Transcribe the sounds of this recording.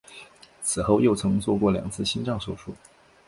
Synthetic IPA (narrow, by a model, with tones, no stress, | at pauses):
t͡sʰɹ̩˨˩xo˥˧ʊjo˥˩ʊt͡sʰɤ˧˥ŋt͡swɔ˥˧kwɔ˥˩ljɑ̰˨˩ŋt͡sʰɹ̩˥˩ɕi˥nʈ͡ʂɑ˥˩ŋʂo˥˩ʊʂʰu˥˩